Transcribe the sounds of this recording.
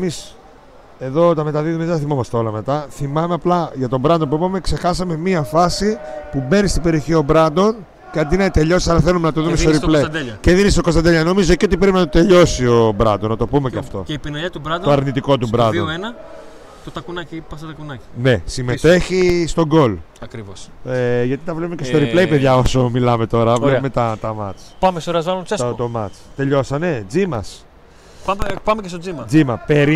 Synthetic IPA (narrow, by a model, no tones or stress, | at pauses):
emis | e̞ðo̞t̪ɐme̞t̪ɐðiðumeðθimɐmɐsteolɐme̞t̪ɐθimɐmeɐplɐʝɐt̪o̞bɾɐnd̪opuipɐme̞kse̞xɐsɐme̞miɐfɐsipube̞nist̪ibeɾio̞çio̞bɾɐnd̪o̞n | ceɐnd̪inɐit̪e̞ʎo̞si̥sɐɾɐθe̞lume̞nɐt̪oðumest̪oɾipled̪eɐceðinist̪okost̪ɐnd̪eʎɐno̞mizoceo̞t̪ipɾepinɐt̪ot̪e̞ʎo̞sio̞bɾɐ̰nd̪onːɐt̪o̞pumeceɐft̪o̞̰eipinɐʎɐt̪ubɾɐoɐɾnit̪iko̞t̪ubɾɐ̰nd̪onenɐ | t̪ot̪ɐkunɐcipɐsɐt̪ɐkunɐcine̞sime̞t̪e̞çist̪o̞ɡo̞l | ɐkɾivoseʝɐt̪it̪ɐvle̞pumece̞st̪oɾiplejpeðʝɐo̞so̞milɐme̞t̪o̞ɾɐvleume̞t̪ɐt̪ɐmɐ̰t͡spɐmest̪oɾeɐzvɐlonset̪omɐt͡st̪e̞ʎo̞sɐne̞d͡zimɐs | pɐpɐmecest̪od͡zimɐd͡zimɐpe̞ɾi